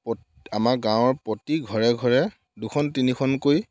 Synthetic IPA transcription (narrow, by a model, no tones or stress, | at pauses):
pɔ | amaɡãw̃ɔɹpotiɡʱɔɹɛɡʱɔɹɛ | dukʰɔntinikʰɔnkoj